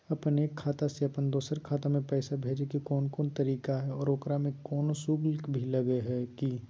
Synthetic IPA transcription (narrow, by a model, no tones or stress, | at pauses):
ɐpəneːkʰːaːt̪aseɐpənd̪oːsəɾkʰaːt̪amẽpɛːsabʱeːd͡ʒekikɔːnkɔːnt̪ɐɾiːkaɦɛɔːɾoːkɾamẽkɔːnosuːɡlkbʱilɐɡeɦɛki